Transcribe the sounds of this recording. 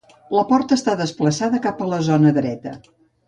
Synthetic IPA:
ləpɔɾt̪əːst̪aðəspləsaðəkapələzonəðɾɛt̪ə

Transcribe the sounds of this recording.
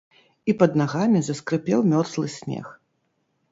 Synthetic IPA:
ipɐd̪̚naɣamʲizɐskɾɨpʲɛwmʲɔrt̪lˠɨsʲnʲɛ̰x

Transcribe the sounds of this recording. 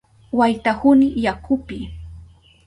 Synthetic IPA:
wajt̪ahʊnɪjakʰʊpɪ

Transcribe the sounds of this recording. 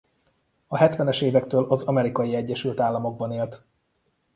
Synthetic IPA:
ɒɦɛt̪ʋɛnɛʃeːvɛkt̪øːlʔɒzɒmɛɾikɒjiɛɟːɛʃylt̪aːlːɒmo̞ɡ̚bɒneːlt̪

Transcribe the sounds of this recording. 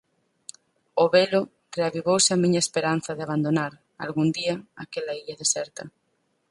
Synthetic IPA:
oβelʊ | teaβiβowsɪamĩɲaespeɾan̟θɐðɪaβand̪onaɾ | a̰lɣund̪iaakelaiʎaðesɛɾt̪ɐ

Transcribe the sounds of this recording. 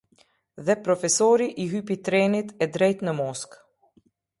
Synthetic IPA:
ðɛpɾɔfɛsɔɾiʔiɦyːpit̪ɾɛnit̪ɛd̪ɾɛjt̪nəmɔsk

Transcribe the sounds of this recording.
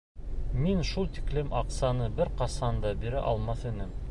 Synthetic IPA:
minʃulˠt̪i̥klɘmɑqsɑnɤbɘɾqɑsɑnd̪ɑbiɾɘʔɑlˠmɑθɘ̆nɘm

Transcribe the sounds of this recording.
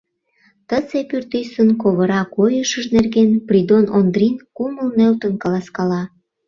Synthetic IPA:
t̪ət͡sepyrt̪ysənkoβəɾɑkojəʃəʒnerɣenprʲid̪onond̪rʲinkuməlnølt̪ənkɑlɑskɑlɑ

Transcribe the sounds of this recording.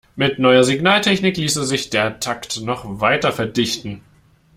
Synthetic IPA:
mɪtnɔʏɐzɪɡnaːltʰɛçnɪkliːsəzɪçd̥eːɐtʰaktnɔχvaɪtɐfɛɐdɪçtn̩

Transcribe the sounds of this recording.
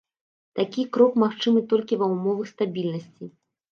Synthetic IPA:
t̪akʲikɾɔkmaxt͡ʂɨmɨt̪ɔlʲkʲivɐwmɔvɐxst̪abʲilʲnɐsʲt͡sʲi

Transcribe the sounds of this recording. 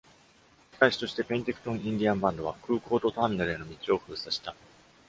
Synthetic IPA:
k̪aiɕi̥t̪o̞ɕi̥t̪e̞pẽ̞nt̪e̞kɯ̟̥t̪õ̞ɰ̃ĩnd̪ʲiãmbãnd̪o̞βakɯ̟ːko̞ːt̪o̞t̪oãnnaɾɯe̞no̞mʲit͡ɕio̞ɸɯ̟ːsaɕi̥t̪a

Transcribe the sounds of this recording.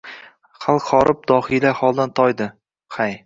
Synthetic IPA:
χalˠχɒɾʔɪp̚d̪ɒhɪlahɒlˠd̪ant̪ʰɒjd̪ɪ | qʰaj

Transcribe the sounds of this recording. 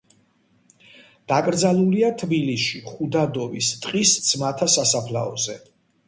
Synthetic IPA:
d̪̥akʼɾd̪zaluliat̪ʰbilisiχud̪ad̪ɔvist̪ʼqʼisd̪z̥mat̪ʰasasapʰla̰ɔzɛ

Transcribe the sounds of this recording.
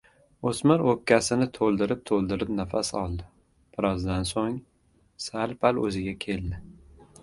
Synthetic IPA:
osmɪɾokʲʰːasɪnɪt̪ʰolˠd̪ɪɾɪp̚t̪ʰolˠd̪ɪɾɪpnafasɒlˠd̪ɪ | pɪɾɒzd̪ansoŋ | salpʰalɵzɪɡʲakʲʰe̞ld̪ɪ

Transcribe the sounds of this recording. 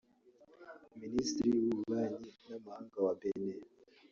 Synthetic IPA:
ministiɾiwuɾuβaɲinamuhaːŋɡawabene

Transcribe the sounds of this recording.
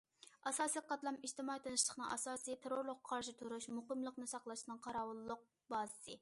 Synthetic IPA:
ɑsɑːsijqʰɑt̪lˠɑmid͡ʒt̪ɪmɑit̪ʰɨnɨʃlˠəχnɨ̰ŋʔɑ̰sɑːsit̪ʰeɾoɾlˠʊqʰːɑɾʃit̪ʰuɾuʃmuqəmlˠəqnɨsɑqlˠɑʃnɨŋqʰɑɾɑːwulˠːʊq̚ | bɑːzɨsɨ

